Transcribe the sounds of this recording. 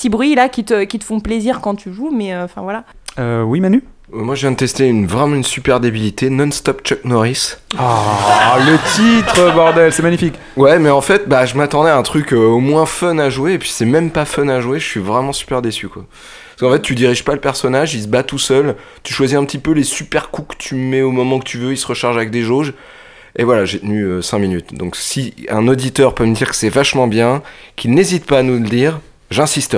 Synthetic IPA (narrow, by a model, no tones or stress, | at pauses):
sibʁɥilakʲit̪əkʲit̪ə̥fɔ̃pleziʁkɑ̃t̪ʰyʒumɛøɑ̃fɛ̃vwala | øwimany | ɛmwaʒəvjɛ̃d̪ət̪ɛst̪eynvʁɛmɑ̃ynsypɛʁd̪ebilit̪enɔnst̪ɔpt͡ʃɔknɔʁisa | lət̪it̪χəbɔʁd̪ɛlsɛmaɲifik | wɛmɛɑ̃fɛt̪̚baʒəmat̪ɑ̃d̪ɛaɛ̃t̪χykʲøomwɛ̃fœnaʒweːpɥi̥sɛmɛmpafœnaʒweʒəsɥivʁɛmɑ̃sy̥pɛʁd̪esykwa̰ | skɑ̃fɛt̪ːyd̪iʁiʒpaləpɛʁsɔnaʒis̬əbat̪usœl | t̪yʃwaziɛ̃pət̪ipølesypɛʁkukə̥t̪ʰymɛomɔmɑ̃kət̪ʰyvøisəʁəʃaʁʒavɛk̚d̪eʒoʒ | evwalaʒet̪ənyøsɛ̃minyt̪d̪ɔ̃ksiɛ̰̃nod̪it̪œʁpøməd̪iʁkə̥sɛvaʃmɑ̃bjɛ̃kʰilnezit̪paːnuld̪iːʁ | ʒɛ̃sist̪